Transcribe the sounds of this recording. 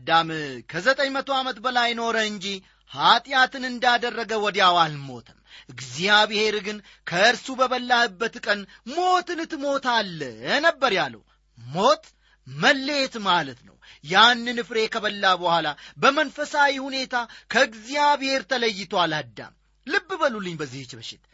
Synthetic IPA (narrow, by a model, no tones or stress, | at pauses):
d̪amkʰəzət̪ʼəɲmət̪ʰo̞amət̪bəlajno̞ɾəɨɲd͡ʒi | hat̪ʼjat̪ʰɨnɨnd̪ad̪ərːəɡəwɔd̪jawalmo̞̰t̪ʰɨmʔɨɡzijaβɨhe̞ɾɡɨn | kʰəɨɾsubəβəlːahɨbːət̪kʼən | mo̞t̪ɨnɨt̪mo̞t̪ʰalːənəbːəɾjalːə̰w | mo̞t̪ʼ | məlːet̪malət̪nə̰wjanːɨnɨfɾe̞kʰəβəlːabəhʷalabəmənfəsawihune̞t̪ʰakʰəɨɡzijabhe̞ɾt̪ʰələjːɪt̪ʰwalhəd̪ːa̰m | lɨbːɨbəlulːɨɲbəzːihɨt͡ʃːbɨʃɪt̪